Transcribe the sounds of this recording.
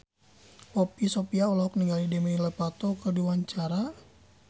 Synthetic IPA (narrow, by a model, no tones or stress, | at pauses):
pɔpisopiaɔlɔɦɔkniŋɡalidɛmɛiləpat̪ɔkərdiwaɲt͡ʃaɾa